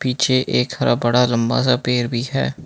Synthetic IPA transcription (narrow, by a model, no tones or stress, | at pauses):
piːt͡ʃʰeʔeːkhɐɾʔa̰bɐɽalɐ̃mba̰ːzapeːɾbʱiɦɛ̰ː